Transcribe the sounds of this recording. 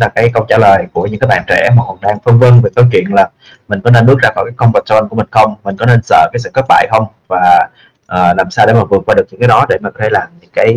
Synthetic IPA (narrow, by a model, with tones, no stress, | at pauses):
laː˨˩kaː˨˦jkə˧wŋ͡mt͡ɕa̰ː˧˩ləː˨˩jku˧˩əɲɨ˧˥ŋaː˨˦jɓa̰ː˧˨t͡ɕɛ̰˧˩ma˨˩kwk̚ɗaː˧ŋfə˧nvə˧nve˨˩t̪əː˨˦jt͡ɕwḭ˧˨ənlaː˨˩ | mï˨˩ŋ̟kɔ˨˦ne˧nɓɨ˦˥k̚zaː˧kaː˧˩kaː˨˦kə˧wŋ͡mva˨˩t͡ɕɔ˧˨˧nkəi˨˩ŋ̟xə˧wŋ͡mmï˨˩ŋ̟kɔ˨˦ne˧nsə̰ː˧˨kaː˨˦s̬ɨ̰˧˨kə˦˥k̚ɓa̰ː˧˨jxə˧wŋ͡m | vaː˨˩ | ʔəː˨˩laː˨˩msaː˧wɗe˧˩maː˨˩vɨ˨˩ək̚waː˧ɗɨ˨˩k̚ɲɨ̰˧˥ŋkaː˨˦ɗɔ˨˦ɗe˧˩maː˨˩kɔ˨˦t̪ʰlaː˨˩mɲɨ̰˧˥ŋkaː˨˦j